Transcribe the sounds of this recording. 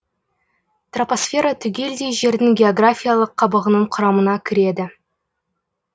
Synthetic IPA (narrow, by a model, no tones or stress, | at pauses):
t̪roposfʲe̞ɾat̪ʰʏɡʲe̞ld̪e̞jʒe̞ɾd̪ɪŋɡʲe̞oɡrafʲijalˠəqʰːɑbəʁənəɴqʰʊɾɑmənɑkʲʰɪɾe̞d̪ɪ